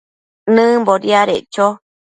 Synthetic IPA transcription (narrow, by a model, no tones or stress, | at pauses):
nɨ̃mboɾiaɾeʔt͡ʃo